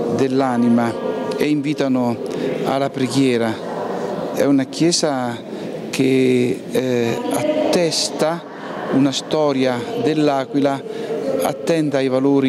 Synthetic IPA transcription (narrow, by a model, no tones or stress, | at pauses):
d̪elːanimaeiɱviːt̪anʊa̰lapɾeɡjɛːɾa | ɛ̰unakjɛːsa | ke | a̰t̪ːɛst̪a | unast̪ɔːɾjad̪elːaːkwilaa̰t̪ːɛnd̪ajvaloːɾi